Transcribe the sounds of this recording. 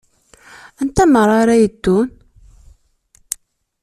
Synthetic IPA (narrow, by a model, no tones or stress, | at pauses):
ænt̪æməɾˤaɾæjəd̪ːun